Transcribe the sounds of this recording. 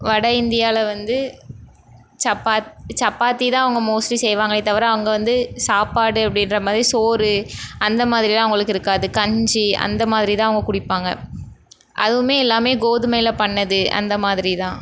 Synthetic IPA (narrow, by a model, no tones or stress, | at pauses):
ʋɐɽɐɪnd̪ɪjaːlɐʋɐnd̪ɯ | t͡ʃɐpːaːt̪t͡ʃɐpːaːt̪ːit̪ãːɐʋɐŋɡɐmoːslisɛjʋaːŋɡɐɪt̪ːɐʋɐɾɐɐʋɐŋɡɐʋɐnd̪ɯsaːpaːɽɯɐpːɐɽɪnɾɐmaːðɪɾisoːɾɯɐnd̪ɐmaːðɪɾilãːʋʊŋɡɐɭɯkːɪɾɯkːaːðɯkɐɲd͡ʒɯɐ̰nd̪ɐmaːðɪɾit̪ãːɐʋɐŋɡɐkʊɽɪpːaːŋɡɐ̰ | ʔɐ̰ðɯʋɯmeːɛlːaːmeːɡoːðɯmɐjɪlɐpɐɳːɐðɯɐ̰nd̪ɐmaːðɪɾit̪ãː